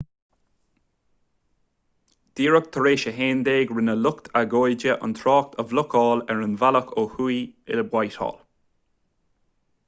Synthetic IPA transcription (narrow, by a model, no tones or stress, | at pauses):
d̪̥iːɹək̚t̪ʰəɾeːʃəɦeːnd̪eːɡɹɪnəlʊkt̪ʰaɡoːjd͡ʒəʔə̰nt̪ʰɹɔːk̚t̪ʰəvlʊkʰɔːlɛɹənvaləkʰoːhujɪ̰ləbwajtɔ̰ːl